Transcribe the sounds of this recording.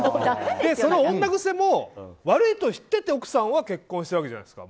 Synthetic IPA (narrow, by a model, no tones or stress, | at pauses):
d̪e̞so̞noõnːaɡɯ̟se̞mo̞βaɾɯ̟it̪o̞çi̥t̪ːe̞t̪e̞o̞kɯ̟̥sãɰ̃βake̞kːõɕit̪eɾβaked͡ʑa̰na̰̥sɨ̥ka̰